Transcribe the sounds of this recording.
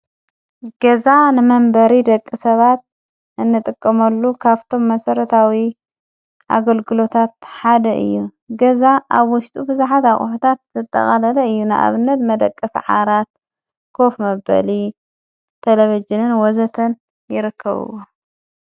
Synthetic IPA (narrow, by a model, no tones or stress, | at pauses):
ɡ̥ɐzanɨmɐmbɐɾid̪ɐkʼːisɐβat̪̚ | ʔɨnːɨt̪ʼɨkʼːɐmɐlːukʰaβt̪ʰo̞mːɐsɐɾɐt̪ʰawi | ʔa̰ɡɐlɡɨlo̞t̪ʰat̪̚ħad̪ɐʔɨ̰jːu | ɡɐzaʔaβwʊʃt̪ʼubɨzuħat̪aχʼħut̪ʰat̪zɨt̪ʼːɐ̰χʼalɐlɐɨjːunɨʔa̰βɨnːɐt̪mɐd̪ɐkʼːɐsʕa̰ɾat̪̚ | kʰo̞fmɐbɐ̰li | t̪ʰeleβid͡ʒɨnɨnwɔzɐt̪ʰɐn | jɪɾɨkʰːɐβɨ̰wo